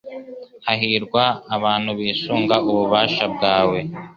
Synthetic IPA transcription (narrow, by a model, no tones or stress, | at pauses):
haɦiːɾɡwaːβaːnhuβiːsuːŋɡaʔuβuβaːʃab̚ɡaːwe